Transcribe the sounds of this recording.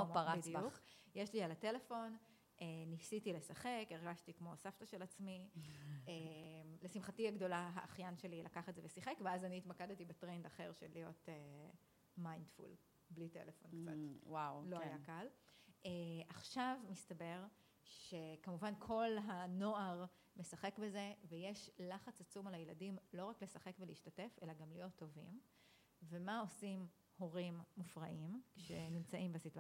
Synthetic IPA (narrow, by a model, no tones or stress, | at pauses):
ompaʁabidijbaukjeʃlialate̞le̞fo̞n | ʔenisitilesaχe̞keʁɡaʃtikmo̞saftaʃe̞lat͡smi | emlesimχatiaɡdo̞laɦa̰ʔːχjanʃe̞lilʔakaχedzevesiχekveazaniːtmakadetibetʁendaχeʁʃelijo̞te | majndfṵl | blitḛlefo̞nkt͡sa̰twawloajakaleʔaχʃavmistabe̞ʁ | ʃe̞kamuvankʰo̞lɦano̞aʁ | mesaχe̞kbe̞ze̞vejeʃlaχat͡sat͡sumalajeladimlo̞ʁakle̞saχe̞kbeliːʃtate̞fe̞laɡamlijo̞tʰːo̞vḭm | vemao̞sim | ho̞ʁimːufʁaʔimkʃenimt͡saʔimbesitua